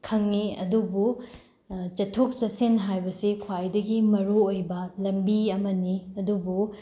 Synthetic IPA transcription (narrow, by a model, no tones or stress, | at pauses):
kʰɐŋniɐ̰dubu | t͡ʃɐtʰok̚t͡ʃɐsenɦajbɐsikʰwajdɐɡimɐɾuojbɐlɐmbiɐmɐniɐdubu